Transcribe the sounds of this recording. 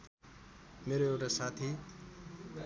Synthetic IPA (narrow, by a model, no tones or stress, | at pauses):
meɾoewʈasat̪ʰi